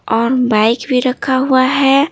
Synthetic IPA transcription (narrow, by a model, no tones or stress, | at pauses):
ɔːɾbaɪkbʱiɾəkʰːaɦuaɦɛ